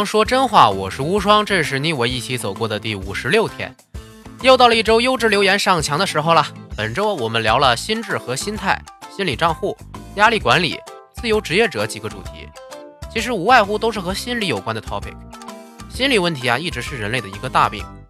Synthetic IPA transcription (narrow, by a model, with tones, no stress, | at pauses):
ɑ˥ŋʂwɔ˥ʈ͡ʂə˥nxwa̰˥˩wɔ̰˨˩ʂɻ̩˥˩u˥ʂwɑ˥ŋʈ͡ʂɤ˥˧ʂ̬ɻ̩˥˩ni˥˩we˧˥i˥˩t͡ɕʰi˧˥t͡so˨˩ʊkwɔ˥˩d̪ə˩t̪i˥˩u˨˩ʂɻ̩˧˥ljo˥˩ʊt̪ʰjɛ̰˥n | jo˥˧ʊt̪ɑ˥˩ʊlə˧i˥˩ʈ͡ʂo˥ʊjo˥ʊʈ͡ʂɻ̩˥˩ljo˧˥ʊjɛ˧˥nʂɑ˥˩ŋt͡ɕʰjɑ˧˥ŋd̪ə˧ʂɻ̩˧˥xo˧ʊlɐ˩pə˨˩nʈ͡ʂo˥ʊwɔ˨˩mə˦nljɑ˧˥ʊlə˧ɕi˥nʈ͡ʂɻ̩˥˩xɤ˧˥ɕi˥nt̪ʰa˥˩ɪɕi˥nli˨˩ʈ͡ʂɑ˥˧ŋxu˥˩ja˥li˥˩kwa˧˥nlḭ˨˩˦ | t͡sɹ̩˥˩jo˧˥ʊʈ͡ʂɻ̩˧˥jɛ˥˩ʈ͡ʂɤ˧˥t͡ɕi˨˩ɡə˦ʈ͡ʂṵ˨˩t̪ʰḭ˧˥ | t͡ɕʰi˧˥ʂ̬ɻ̩˧˥u˧˥wa˥˧ɪxu˥˩t̪o˥ʊʂɻ̩˥˩xɤ˧˥ɕi˥nli˧˥jo˨˩ʊkwa˥nd̪ə˨t̪ʰɑ˧˥ʊpʰḭ˨˩˦ŋ | ɕi˥nli˨˩wə˥˩nt̪ʰi˧˥a˧i˥˩ʈ͡ʂɻ̩˧˥ʂɻ̩˥˩ɻə˧˥nle˥˩ɪdə˩i˧˥ɡə˧t̪a̰˥˧pḭ˥˩ŋ